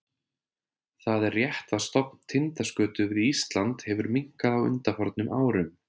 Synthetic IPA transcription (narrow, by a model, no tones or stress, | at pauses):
θaðɛrːjɛht̪ast̪ɔpnt̪ʰɪnt̪askœːt̪ʏvɪðist̪lant̪hɛvʏɾmiŋ̥kaðawʏ̰nt̪afɔɾt̪nʏmʔa̰ːwɾʏm